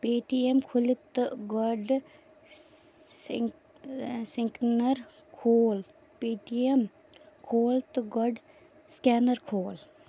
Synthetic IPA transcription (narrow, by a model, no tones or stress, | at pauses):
peːʈiemkʰʊlit̪ɡɔɖ | sĩŋknɐɾ | kʰoːl | peːʈiem | kʰoːlt̪ɡɔɖ | skaːnɐɾkʰoːl